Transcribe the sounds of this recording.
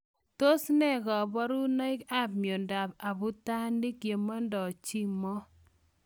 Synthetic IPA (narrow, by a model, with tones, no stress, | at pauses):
to˦snɛ˦˨ɡɔ˨bɔ˦ɾu˦nɔ˦ɪ˦ka˦b̚mjo˨nda˨ba˨bu˦ta˦ndi˦kje˨ma˦ndɔ˨t͡ʃi˦mɔ˦